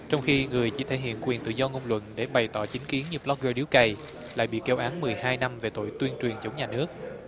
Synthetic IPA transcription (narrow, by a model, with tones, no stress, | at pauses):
t͡ɕɔ˧wŋ͡mxi˧ŋɨ˨˩əjt͡ɕḭ˧˩t̪ʰe˧˩jɦḭ˧˨ənkwi˨˩nt̪ɨ̰˧˨zɔ˧ŋo˧wŋ͡mlwə̰˧˨nɗe˧˩ɓa˨˩jt̪ɔ˧˩t͡ɕï˨˦ŋki˨˦ənɲɨ˧blɔ˦˥k̚zo˧ɗi˨˦wkə˧j | la̰ː˧˨jɓḭ˧˨ke˧wʔaː˨˦nmɨ˨˩əjhaː˧jna˧mve˨˩t̪o̰˧˨jt̪wi˧ənt͡ɕwi˨˩ənt͡ɕə˨˦wŋ͡mɲaː˨˩nɨ˦˥ək̚